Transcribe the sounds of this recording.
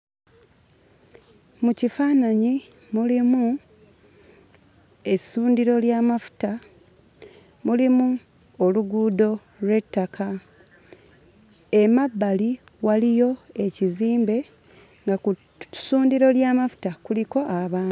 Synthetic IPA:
mucifaːnaɲi | mulimu | e̞suːndiɾo̞ljaːmafu̥ta | mulimu | oluɡuːdo̞ | lwe̞tːakʰa | emabːali | walijo̞e̞ciziːmbe̞ | ŋɡaku | suːndiɾo̞ljaːmafu̥takuliko̞ʔaβaː

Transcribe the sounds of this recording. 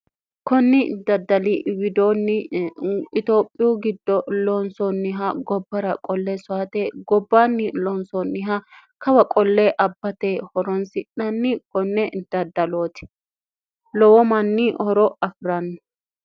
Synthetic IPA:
kɔnːɪd̪ɐd̪ɐlɪwɪd̪oːnːɪ | ɪt̪oːpʼːɪjuːɡɪd̪ːɔlɔnsɔnːɪɦɐɡɔbːɐɾɐkʼɔlːesʊaːt̪eɡɔbːanːɪlɔnsɔnːɪɦɐ | kɐwɐkʼɔlːeʔɐbːɐt̪ehɔɾɔnsɪnːɐnːɪkɔnːɛd̪̥ɐd̪ːɐloːt̪ɪ̥ | lɔwɔmɐnːɪhɔɾɔʔɐfɪɾɐnːɔ̥

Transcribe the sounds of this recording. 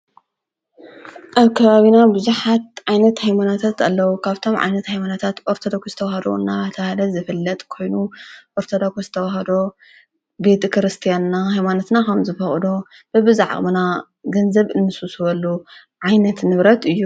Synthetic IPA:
ʔaβkʰɐβaβinabɨzuħat̪̚ʕajnɐt̪hajmanot̪ʰat̪alːɐwukʰaβt̪ʰo̞mʕa̰jnɐt̪hajmanot̪ʰat̪ʔoɾt̪ʰod̪okʰozɨ̥t̪ʰɐwahɐd̪o̰ɨnːaβt̪ʰɐhalɐzɨfɨlːɐt̪ʼkʰo̞jnuʔoɾt̪ʰod̪akʰuzɨt̪ʰɐwaɦɐd̪o̞ | be̞t̪ʰkʰɨɾɨst̪ʰijannaɦajmanot̪nakʰɐmzɨfɐχʼd̪o | b̥ɨbɨzaʕ̰ʼmɨna | ɡɐnzɐβɨnːɨsusuβɐlːu | ʕajnɐt̪nɨβɾɐt̪ɨjːu

